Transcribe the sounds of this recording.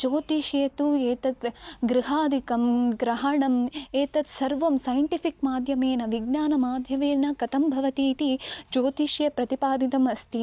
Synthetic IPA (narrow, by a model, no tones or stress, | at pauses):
d͡ʒoːt̪iʃjɐt̪ueːt̪ɐt̪ɡɾiɦaːd̪ʱikɐmɡɾɐɦɐɳɐmeːt̪ɐt̪sɐɾʋɐmsɐjɐɳʈipʰikmaːd̪ʱjɐmeːnɐʋiɡ̚naːnɐmaːd̪ʱjɐʋeːnɐkɐt̪ɐmbʱɐʋɐt̪iːt̪it͡ʃoːt̪iʃjɐpɾɐt̪ipaːd̪it̪ɐmɐst̪i